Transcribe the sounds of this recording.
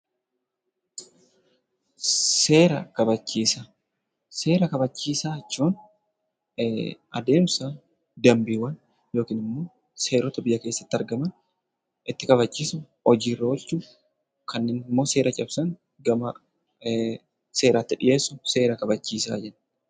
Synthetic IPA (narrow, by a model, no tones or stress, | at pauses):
seːɾɐkɐbɐt͡ʃːiːsa | se̞ːɾɐkɐbɐt͡ʃːiːsaːɐt͡ʃːuːn | ɐd̪e̞ːmsa | d̪ɐmbiːwɐn | jo̞ːkiːnɪmːo̞ː | se̞ːɾɔt̪ɐbɪjɐke̞ːsːɐ̥t̪ːɪɐɾɡɐmɐn | ʔɪt̪ːɪkʼɐβɐt͡ʃːiːsʊ | ɔd͡ʒiːrːɐɔlt͡ʃuː | kʰɐnːeːnɪmːo̞ːse̞ːɾɐt͡ʃʼɐbsɐŋ | ɡɐmɐ | se̞ːɾaːt̪ːɪᶑɪje̞ːsːʊse̞ːɾɐkɐbɐt͡ʃːiːsa̰ːd͡ʒɛn